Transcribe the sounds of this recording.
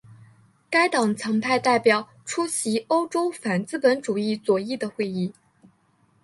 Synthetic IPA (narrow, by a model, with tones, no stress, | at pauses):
ka˥ɪt̪ɑ˨˩ŋt͡sʰɤ˧˥ŋpʰa˥˧ɪt̪a˥˩ɪpjɑ˨˩˦ʊ | ʈ͡ʂʰu˥ɕi˧˥o˥ʊʈ͡ʂo˥ʊfa˨˩nt͡sɹ̩˥˩pə˧˥nʈ͡ʂu˨˩i˥˩t͡swɔ˨˩i˥˩d̪ə˩xwe˥˧ɪi˥˩